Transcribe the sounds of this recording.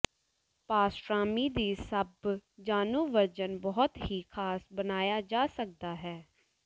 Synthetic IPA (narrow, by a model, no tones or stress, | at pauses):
paːsɾaːmiːd̪iːsəbd͡ʒaːnuːʋəɾd͡ʒənbɔːʊt̪ɦiːkʰaːsbənaːjaːd͡ʒaːsək̚d̪aːɦɛː